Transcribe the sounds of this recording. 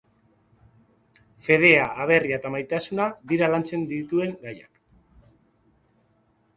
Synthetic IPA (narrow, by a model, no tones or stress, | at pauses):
fe̞ð̞e̞aʔːβ̞e̞riaet̪amajt̪asunaðiɾalant͡se̞nd̪it̪ue̞ŋɡaja̰k